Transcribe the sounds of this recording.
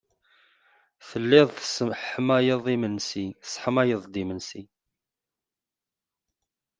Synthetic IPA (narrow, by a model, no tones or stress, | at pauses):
θəlːɪðˤθə̥səħəmæjəðˤimənsiθə̥sˤħəmæjəðˤd̪imənsi